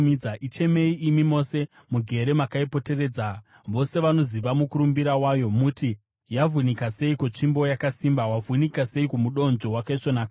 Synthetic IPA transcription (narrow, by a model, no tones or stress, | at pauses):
miaʔit͡ʃe̞me̞iʔimimo̞se̞ | muɡʱe̞ɾe̞makaipo̞te̞re̞ːd͡za | ʋo̞se̞ʋano̞ziʋamukuɾumbiɾawaːjo̞muti | javʱunikase̞ikot͡ʂimbo̞jakasimbawavʱunikase̞ikumuɗo̞nd͡ʒo̞wakaiʂonaːka